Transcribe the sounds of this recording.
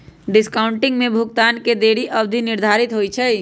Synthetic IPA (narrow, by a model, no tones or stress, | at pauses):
ɖɪskaːʊɳʈɪŋɡmẽbʱʊɡt̪aːnked̪eːɽiʔəbd̪ʱinɪɾd̪ʱaːɾit̪ɦojt͡ʃʰɛ